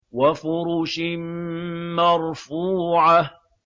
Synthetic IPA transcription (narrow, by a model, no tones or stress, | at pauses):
wafʊɾuːʃɪ | mɑɾˤfuːʕa